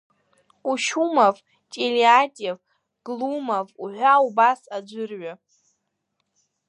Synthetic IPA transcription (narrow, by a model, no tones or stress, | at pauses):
uʃumav | t͡ʃʼeliatʼev | ɡ̥lumavuħʷaubasad͡ʒʷɨrɥa